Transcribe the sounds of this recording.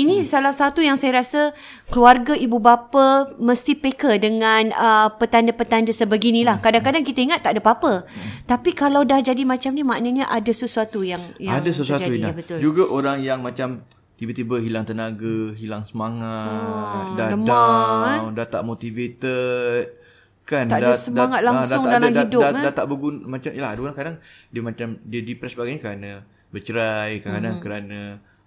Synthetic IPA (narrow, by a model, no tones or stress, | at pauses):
inisalahsat̪ujaŋsajaɾasə | kluarɡaibubapaməst̪ipekədəŋãnəpət̪andəpət̪andəsəbəɡinĩlahkadaŋkadaŋkit̪aiŋat̪ːaʔdəpapət̪apikalawdahd͡ʒadimãt͡ʃamnimaʔnəɲaʔadasəsuat̪ujaŋjaadasəsuaauiinabət̪ʊld͡ʒuɡaʔoɾaŋjaŋmat͡ʃam | t̪ibat̪ibəɦilaŋt̪ənaɡaɦilaŋsəmaŋa | daədmaawdat̪a̰ʔmot̪ivet̪ət̪̚ | kandasəmaŋat̪̚lasdaʊŋadalamaidʊdadat̪aʔbəɡunmat͡ʃamjəlaɦadaoɾaŋkadaŋ | diəmat͡ʃamdiədipɾɛsbaɡajɲəkəɾana | bət͡ʃəɾajkəanakəɾana